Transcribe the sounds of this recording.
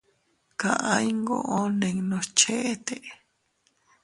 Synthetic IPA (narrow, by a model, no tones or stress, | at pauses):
kaʔãjŋɡo̰ʔonẽŋnost͡ʃʰeʔet̪eʔ